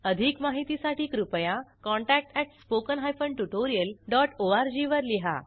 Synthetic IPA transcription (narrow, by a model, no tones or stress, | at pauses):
əd̪ʱikmaɦit̪isaʈiːkɾupjãkɔ̃ɳʈæk̚ʈɛʈspokənɦajfəɳɖʈuʈoɾijəlɖɔʈoaɾd͡ʑiʋəɾliɦa̰